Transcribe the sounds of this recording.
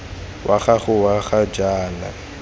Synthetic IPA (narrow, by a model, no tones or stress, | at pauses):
wʔaχaɣʊwaɣad͡ʒaːna̰